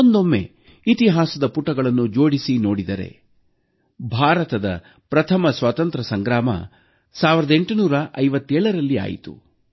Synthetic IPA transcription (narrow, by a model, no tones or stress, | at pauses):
ond̪o̞mːe̞̰ | it̪iɦaːsɐd̪ɐpuʈːɐɡɐɭɐnːud͡ʒo̞ːɽisino̞ːɽid̪ɐɾe̞̰ | bʱaːɾɐt̪ɐd̪ɐ̰ | pɾɐt̪ʰɐmɐsʋaːt̪ɐnt̪ɾɐsɐŋɡɾaːmɐ̰ | saːʋiɾɐd̪e̞ɳʈunuːɾɐʔɐjʋɐt̪ːɛːɭɐɾɐlːia̰ːjḭt̪ṵ